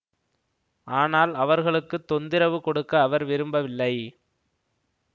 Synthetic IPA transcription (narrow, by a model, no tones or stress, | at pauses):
ʔaːnaːlɐʋɐɾɣɐɭɯkːɯt̪ːɔnd̪ɪɾɐʋɯkɔɽɯkːɐːʋɐɾʋɪɾɯmbɐʋɪlːɐɪ